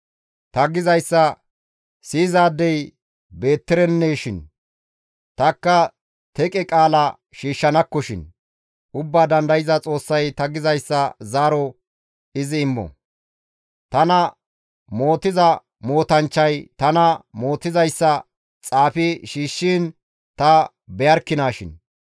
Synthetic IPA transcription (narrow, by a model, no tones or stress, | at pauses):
t̪ɐɡɪzɐjsːɐ | siːzaːd̪ːɛj | be̞ːt̪ːɪɾɛnːeːʃɪn | t̪ɐkːɐ | t̪ɛkʼɛkʼaːlɐ | ʃiːʃːɐnɐkːɔʃɪ̰n | ʔʊbːaːd̪ɐnd̪ɐjɪzɐt͡sʼo̞ːsːɐjt̪ɐɡɪzɐjsːɐzaːɾɔ | ɪzɪːmːɔ̰ | t̪ɐnɐ | mo̞ːt̪ɪzɐ | mo̞ːt̪ɐnt͡ʃːɐjt̪ɐnɐmo̞ːt̪ːɪzɐjsːɐ | t͡sʼaːfɪʃiːʃːiːn | t̪ɐ | bɛjɐɾkːɪnaːʃɪ̰n